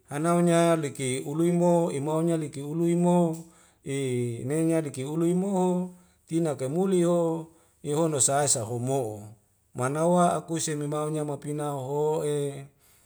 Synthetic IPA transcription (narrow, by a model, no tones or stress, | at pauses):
hanauɲalikiuluimoimauɲalikiuluimo | ineɲalikiuluimoɦo | t̪inakemuliɦo | iɦonosaesaɦomoʔo | manawaːkuisemimauɲamapinaoɦoe